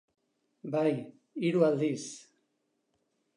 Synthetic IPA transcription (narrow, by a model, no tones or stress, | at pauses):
baj | iɾuald̪is